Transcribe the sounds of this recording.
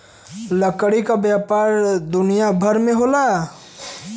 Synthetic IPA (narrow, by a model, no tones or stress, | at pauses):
ləkɽikabjaːpaːɾd̪ʊnijabʱɐɾmẽɦoːlaː